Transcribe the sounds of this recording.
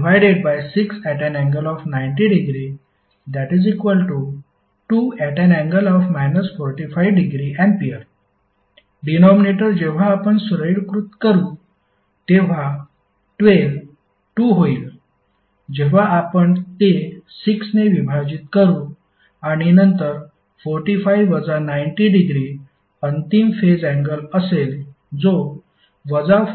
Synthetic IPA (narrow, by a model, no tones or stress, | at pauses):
ʋajɖeɖ̚bajsiksæʈɛnɛ̃ŋɡəlɔfnajɳʈ̬iɖiɡɾi | d̪æʈid͡zikʋəlʈu | ʈuːæʈɛnɛ̃ŋɡəlɔfmajnəsfɔɾʈifajʋɖiɡɾiʔɛ̃ɳɖpiəɾ | ɖinɔmineʈəɾd͡ʑeʋ̤aːpəɳsɾəjɽkɾut̪kəɾuː | t̪eʋ̤a | ʈʋel | ʈuɦoiːl | d͡ʑeʋ̤aapəɳt̪esiksneʋibʱad͡ʑit̪kəɾuː | aɽ̃inənt̪əɾ | fɔɾʈifajʋəd͡zanajɳʈiɖiɡɾi | ənt̪imfed͡zæ̃ŋɡələsel | d͡zo | ʋəd͡za